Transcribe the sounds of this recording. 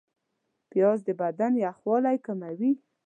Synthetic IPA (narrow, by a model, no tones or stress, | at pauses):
pjɑzd̪əbad̪anjaxwɑlajkamawi